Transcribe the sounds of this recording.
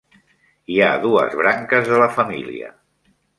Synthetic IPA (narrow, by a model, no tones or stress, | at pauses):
iaðuə̰zβɾaŋkəzðələfəmḭlḭə̰